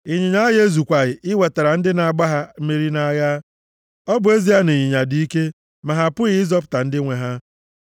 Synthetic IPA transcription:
i˨ɲi˨ɲa˦ɣe˦zu˨kʷa˨ɣɪ˨ɪ˦we˨ta˨ɾa˨n̩˦dɪ˦na˨a˨ɡ͡ba˦ɦa˦m̩˦me˦ɾi˦na˦ɣa˦ | ɔ˦bʊ˨e˦zi˦a˦ne˨ɲi˨ɲa˨di˨˦i˦ke˦ | ma˨ɦa˨pʊ˦ɣɪ˨˦ɪ˦zɔ˦p̬ʊ̥˨ta˨n̩˦dɪ˦ŋʷe˨ɦa˦

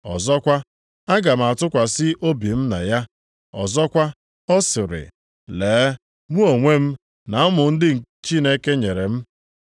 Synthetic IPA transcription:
ɔ̰˨zɔ˦kʷa˦ | a˦ɡa˨m̩˨a˨tʊ˦kʷa˨sɪ˦ʔo˦bi˨m̩˦na̰˨ja˦ | ɔ̰˨zɔ˦kʷa˦ | ɔ˦sɪ˨ɾɪ̰˨ | leː˨˦ | mu˦o˨ŋʷe˦m̩˦ | na˨˦mʊ˨n̩˦dɪ˦ŋ̩˨t͡ʃi˦ne˦ke˦ɲe˨ɾe˨m̩˦

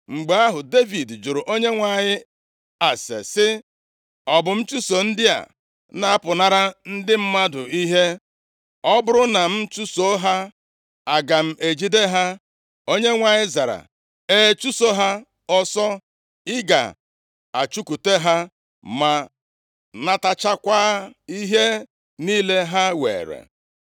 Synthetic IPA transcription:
ŋ͡m̩˨ɡ͡be˨a˦ɦʊ˨de˦vi˨dd͡ʒʊ˨ɾʊ˨ʔo˦ɲe˦ŋʷa˨ɲɪ˦ | a˨sḛ˨sɪ˦ | ɔ˨bʊ˨m̩˦t͡ʃu˦so˨n̩˦dɪ˦a̰˨˦ | na˨a˦pʊ˨na˦ɾa˦n̩˦dɪ˦m̩˦ma˦dʊ˨i˦ɦe˦ | ɔ˦bʊ˦ɾʊ˦na˨m̩˦t͡ʃu˦so˦ɦa˦ | a˨ɡa˨m̩˦ʔe˨d͡ʒi˦de˦ɦa˦ | o˦ɲe˦ŋʷa˨ɲɪ˦za˨ɾa̰˨ | e˦t͡ʃu˦so˦ɦa˦ | ɔ˦sɔ˦ | ɪ˦ɡa̰˨ | a̰˨t͡ʃu˦ku˨te˦ɦa˦ | ma˨ | na˦ta˦t͡ʃa˦kʷa˦i˦ɦe˦ | niː˦le˦ɦa˦wḛː˨ɾḛ˨

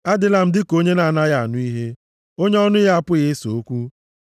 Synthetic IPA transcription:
a˦dɪ˦la˦m̩˦dɪ˦ko˦ɲe˦na˨na˦ja˨a˨nʊ˦i˦ɦe˦ | o˦ɲe˦ɔ˦nʊ˦ɦa˦a˦˨pʊ˦ɣɪ˦so˨o˦kʷu˦

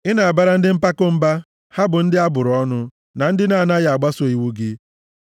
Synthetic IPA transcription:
ɪ˦na˨a˨ba˦ɾa˦n̩˦dɪ˦m̩˦pa˦kʊ˦m̩˦ba˦ | ha˦bʊ˨n̩˦dɪ˦a˦bʊ˨ɾɔ˦nʊ˦ | na˨n̩˦dɪ˦na˦˨na˦ja˨a˨ɡ͡ba˦so˨i˨wu˦ɡɪ˦

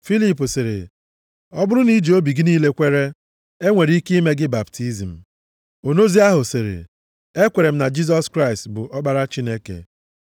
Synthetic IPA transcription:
fi˦li˦p̬ʊ˨sɪ˨ɾɪ̰˨ | ɔ˦bʊ˦ɾʊ˦ni˦d͡ʒi˨o˦bi˨ɡɪ˦niː˦le˦kʷe˦ɾe˦ | e˦ŋʷe˨ɾi˦ki˦me˦ɡɪ˦ba˨ptʰi˦zi˨m̩˨ | o˨no˦zi˦a˦ɦʊ˨sɪ˨ɾḛ˨ | e˦kʷe˨ɾe˨m̩˦na˨d͡ʒi˦z̬ɔ˦skɾa˦ɪ˨stbʊ˨ʔɔ˦ɡ͡ba˦ɾa˦t͡ʃi˦ne˦kḛ˨

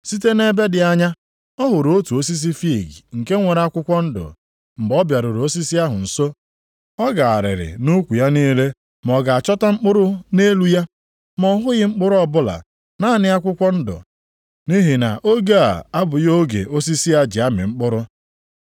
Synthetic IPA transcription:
si˦te˦ne˦be˦dɪ˨a˦ɲa˦ | ɔ˦ɦʊ˨ɾo˦tu˨o˦s̬i˦s̬i˦fi˦˨ɡḭ˨ŋ̩˨ke˦ŋʷe˨ɾa˦kʷʊ˦kʷɔ˦n̩˦dʊ̰˨ | ŋ͡m̩˨ɡ͡bɔ˦bja˨ɾʊ˨ɾo˦si˦si˦a˦ɦʊ˨n̩˨so˦ | ɔ˦ɡa˨a˨ɾɪ̰˨ɾɪ̰˨nu˦kʷu˨ja˦niː˦le˦ | m˨ɔ˨ɡa˨a˨t͡ʃɔ˦ta˦ŋ͡m̩˦k͡pʊ˦ɾʊ˦ne˦lu˦ja˦ | mɔ˦ɦʊ˦ɣɪ˦ŋ͡m̩˦k͡pʊ˦ɾʊ˦ɔ˦bʊ˦la̰˨ | na˦˨nɪ˦a˦kʷʊ˦kʷɔ˦n̩˦dʊ̰˨ | ni˦ɦi˨na̰˨ʔo˦ɡe˦a̰˨a˦bʊ˨jo˦ɡḛ˨ʔo˦si˦si˦a˦d͡ʒi˨a˦mɪ̰˨ŋ͡m̩˦k͡pʊ˦ɾʊ˦

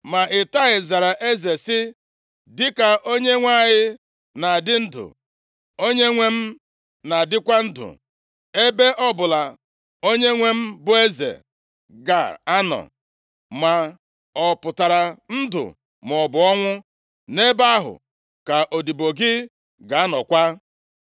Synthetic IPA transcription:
ma˨ʔɪ˨ta˦ɣɪ˨za˨ɾa˨ʔe˦ze˨sɪ˦ | dɪ˦ka˨ʔo˦ɲe˦ŋʷa˦ɣɪ˦ | na˨dɪ˦n̩˦dʊ̰˨ | o˦ɲe˦ŋʷe˦m̩˦ | na˨dɪ˦kʷa˦n̩˦dʊ̰˨ | e˦be˦ʔɔ˦bʊ˨la˨ | o˦ɲe˦ŋʷe˦m̩˦bʊ˨e˦zḛ˨ | ɡa̰˨a˦nɔ̰˨ | ma˨ | ɔ˨pʊ˨ta˨ɾa˨n̩˦dʊ̰˨ | mɔ˨bʊ˨ɔ˦ŋʷʊ˦ | ne˦ba˦a˦ɦʊ̰˨ | ka˨ʔo˨di˨bo˨ɡɪ˦ | ɡa˨a˦nɔ̰˨kʷa˦

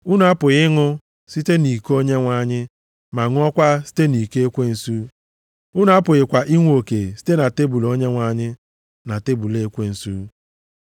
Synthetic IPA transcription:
u˦n˨˦a˦pʊ˨ɣɪ˦ŋʊ˦ | si˦te˦ni˨ko˦ɲe˦ŋʷa˨ɲɪ˦ | ma˨ŋ˦ɔ˦kʷa˦si̥˦te˦ni˨ke˦e˦kʷe˦n̩˨su˦ | u˦n˨˦a˦pʊ˨ɣɪ˨kʷa˨ʔi˦ŋʷ˦o˨ke˨si̥˦te˦na˨te˦bu˨lo˦ɲe˦ŋʷa˨˦ɲɪ˦ | na˨te˦bu˨le˦kʷe˦n̩˨su˦

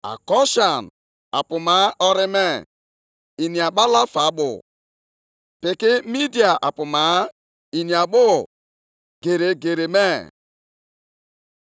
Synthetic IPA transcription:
a̰˨kɔ˦ʃa˨n | a̰˨pʊ˨ma˨˦ɔ˦ɾɪ˦me˦ | i˨ni˨a˨ɓa˦la˦fa˨˦ɓʊ̰˨ | pɪ˨kɪ˦mi˦di˨a˨ʔa˨pʊ˨ma˨˦ | i˨ni˨a˨ɓʊ˦ | ɡ̥e˨ɾe˨ɡe˨ɾe˨me˦

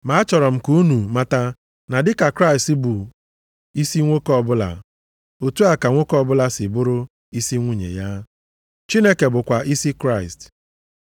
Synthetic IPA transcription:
ma˨˦t͡ʃɔ˨ɾɔ˨m̩˨ku˦nu˨ma˨ta˨ | na˨dɪ˦ka˨kɾa˦ɪ˨stbʊ˨ | i˦si˦ŋʷo˦kɔ˦bʊ˦la̰˨ | o˨tu˦a˨ka˨ŋʷo˦kɔ˦bʊ˦la˦sɪ˨bʊ˦ɾʊ˦ | i˦si˦ŋʷu˦ɲḛ˨ja˦ | t͡ʃi˦ne˦ke˨bʊ˨kʷa˨ʔi˦si˦kɾa˦˨ɪ˨st

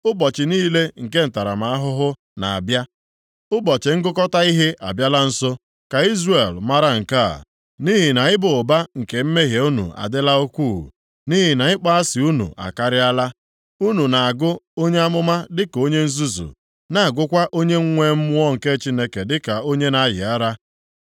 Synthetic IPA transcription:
ʊ˦bɔ˨t͡ʃɪ˨niː˦le˦ŋ̩˨ke˦n̩˨ta˨ɾa̰˨ma˨a˦ɦʊ˦ɦʊ˦ | na̰˨a̰˨bja˦ | ʊ˦bɔ˨t͡ʃɪ˨ŋ̩˦ɡʊ˦kɔ˦ta˦i˦ɦe˦ʔa̰˨bja˦la˦n̩˦so˦ | ka˨i˦zre˨lma˦ɾa˦ŋ̩˨ka̰˦˨ | ni˦ɦɪ˨na˨ɪ˦bʊ˨ʊ˨ba˦ŋ̩˨ke˨m̩˦me˦ɦje˨u˦nṵ˨a̰˨dɪ˦la˦o˦kʷu˦˨ | ni˦ɦi˨na˨ɪ˦k͡pa˦a˦sɪ˨u˦nṵ˨ʔa̰˨ka˦ɾɪ˦a˦la˦ | u˦nu˨na˨a˨ɡʊ˦o˦ɲe˦a˦mʊ˦ma˦dɪ˦ko˦ɲe˦n̩˦zu˦zṵ˨ | na˨a˨ɡʊ˦kʷa˦ʔo˦ɲe˦ŋ̩˦ŋʷe˦m̩˦mʊ˦ɔ˦ŋ̩˨ke˦t͡ʃi˦ne˦ke˨dɪ˦ka˨o˦ɲe˦na˦jɪ̰˨a˦ɾa˦

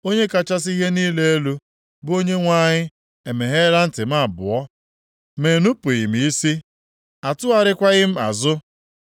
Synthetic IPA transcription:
o˦ɲe˦ka˦t͡ʃa˦s̬i˦ɦe˦niː˦le˦e˦lu˦ | bʊ˦o˦ɲe˦ŋʷa˦ɲɪ˦ | e˨me˨ɦe˦ɾa˦n̩˦tɪ˨m̩˦a˦˨bʊ̰˨ɔ˦ | me˨nu˦pʊ˨i˨m˨i˦si˦ | a˨tʊ˦a˨ɾɪ˦kʷa˦ɣɪ˦m̩˦a̰˨zʊ˦

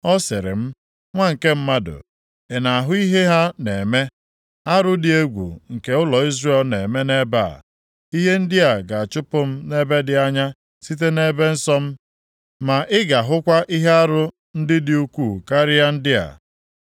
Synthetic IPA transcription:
ɔ˦sɪ̰˨ɾɪ̰˨m̩˦ | ŋʷa˦ŋ̩˨ke˦m̩˦ma˦dʊ̰˨ | e˨na˨a˨ɦʊ˦i˦ɦe˦ɦa˦ne˨me˦ | a˦ɾʊ˦dɪ˨e˦ɡʷṵ˨ŋ̩˨ke˨ʊ˦lɔ˨i˦zre˦˨˦lne˨me˦ne˦ba̰˦˨ | i˦ɦe˦n̩˦dɪ˦a˨ɡa˨a˨t͡ʃʊ˦pʊ˦m̩˦ne˦be˦dɪ˨a˦ɲa˦ | si˦t̬e˦ne˦be˦n̩˦sɔ˦m̩˦ | ma˨ʔɪ˦ɡa˨ɦʊ˦kʷa˦ʔi˦ɦe˦a˦ɾʊ˦ | n̩˦dɪ˦dɪ˨u˦kʷu˦˨ka˦ɾɪ˦a˦n̩˦dɪ˦a̰˨

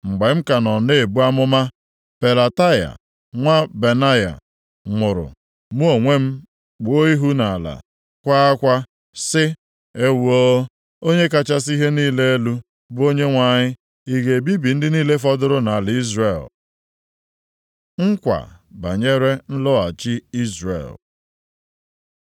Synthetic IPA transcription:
ŋ͡m̩˨ɡ͡be˨m̩˦ka˨nɔ˨ne˦e˨bu˦a˦mʊ˦ma˦ | pe˨la˨ta˦ja̰˨ | ŋʷa˦be˨na˦ja̰˨ | mʊ˨ɾʊ̰˨ | mu˦o˨ŋʷe˦m̩˦ | k͡pʊ˨o˦i˦ɦu˦na˨a˨la̰˨ | kʷa˦a˦kʷa˦ | sɪ˦ | e˦wu˦o˦ | o˦ɲe˦ka˦t͡ʃa˦s̬i˦ɦe˦niː˦le˦e˦lu˦ | bʊ˦o˦ɲe˦ŋʷa˨ɲɪ˦ | i˦ɡe˨bi˦bi˨n̩˦dɪ˦niː˦le˦fɔ˦dʊ˦ɾʊ˦na˨lɪ˨˦i˦zre˨l | ŋ̩˦kʷa̰˨ba̰˨ɲe˦ɾe˦n̩˦lʊ˦a̰˨t͡ʃɪ˦i˦zrḛ˨l

